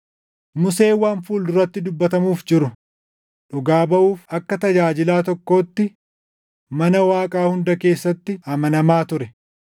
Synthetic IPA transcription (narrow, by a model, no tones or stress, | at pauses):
mʊse̞ːwaːnfuːlʊrːɐt̪ːɪd̪ʊbːɐt̪ɐmuːfd͡ʒɪɾʊ | ᶑʊɡaːbɐʔuːfɐkːɐt̪ɐd͡ʒaːd͡ʒɪlaːt̪ɔkːo̞ːt̪ːɪ | mɐnɐwaːkʼaːhʊnd̪ɐke̞ːsːɐt̪ːɪɐmɐnɐmaːt̪ʊɾɛ